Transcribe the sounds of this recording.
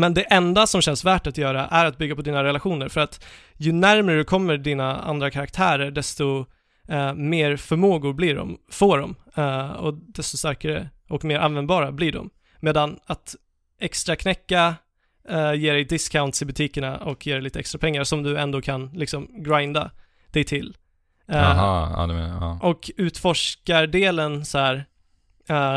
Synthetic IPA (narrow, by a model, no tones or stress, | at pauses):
mɛnd̪ɛʔɛnd̪asɔmɕɛnsvæːʈat̪jœːɾa̰ʔæɾat̪̚bʏɡːapʰɔd̪iːnaɾɛlaɧuːnəɾfœɾat̪ | jɵnæɾmɾəd̪ɛkʰɔmːəɖiːnaa̰nd̪ɾakʰaɾak̚t̪ʰæːɾəɾɖɛst̪ɔ | meːɾfœɾmoːɡʊɾbliɖɔ̰mfoːɖɔm | ɔ̰d̪ɛst̪ɔst̪aɾkaɾə̰ʔɔkmeːɾʔanvɛnd̪bɑːɾablɪɖɔ̰mː | eːd̪anat̪ | ʔɛkst̪ɾakʰnɛkːa | jeːɾɛjd̪ɪskʰːaʊnt̪sɪbɵt̪ʰiːkəɳaɔkjeːɾɛɪjliːt̪əɛkst̪ɾapʰɛŋːaɾʂɔmd̪ɵɛnd̪oːkʰanlɪksɔmɡɾajnd̪a̰ | d̪̥ɛjt̪ʰɪl | aɑ̰ːd̪ɛḛnɑːʔɔkʉ̟ːt̪fɔʂkaɖeːlənsɔæːɾ